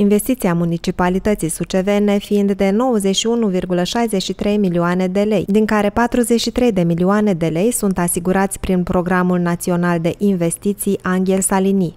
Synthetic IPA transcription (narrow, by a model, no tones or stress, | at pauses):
inve̞st̪it̪siamunit͡ʃipalit̪ət̪sisut͡ʃe̞ve̞ne̞fiind̪ːe̞no̞wəzet͡ʃʃiunuvirɡuləʃajze̞t͡ʃʃit̪ɾe̞jmilioane̞d̪e̞le̞jd̪iŋkaɾe̞pat̪ɾuze̞t͡ʃʃit̪ɾe̞jd̪e̞milioane̞d̪e̞le̞jsunt̪asiɡuɾat̪sʲpɾinpɾo̞ɡɾamulnat̪sio̞nald̪e̞ʔinve̞st̪it̪sijaŋɡʲe̞lsalini